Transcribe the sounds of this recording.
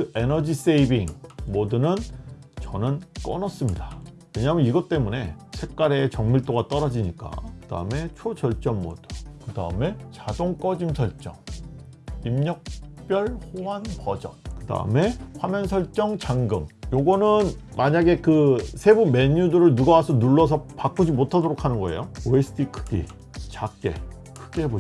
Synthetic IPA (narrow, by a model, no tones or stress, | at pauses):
ɯʔenʌd͡ʑis͈eibiŋmodunɯnt͡ɕʌnɯnk͈ʌ̰nʌs͈ɯmɲida | we̞ɲamjʌniɡʌt͈e̞mune̞ | sʰe̞k̚k͈aɾe̞t͡ɕʌŋmiɭt͈oɡat͈ʌɾʌd͡ʑiɲik͈a̰kɯd̥a̰ɯme̞t͡ɕʰod͡ʑʌɭt͡ɕ͈ʌmːo̰dukɯda̰ɯme̞t͡ɕadoŋk͈ʌd͡ʑimsʰʌɭt͡ɕ͈ʌ̰ŋ | imɲʌk̚p͈jʌɭhowanpʌd͡ʑʌ̰nkɯda̰ɯ̰me̞ɸwamjʌnsʰʌɭt͡ɕ͈ʌŋt͡ɕaŋɡɯmjoɡʌnɯn | maɲaɡe̞kɯsʰe̞bume̞ɲudɯɾɯɭnuɡawasʰʌnuɭːʌsʰʌpak͈ud͡ʑimotʰadoɾokʰanɯnɡʌe̞̰jooesʰɯtʰikʰɯ̥ɡḭ | t͡ɕakk͈e̞̰ | kʰɯɡeɦebo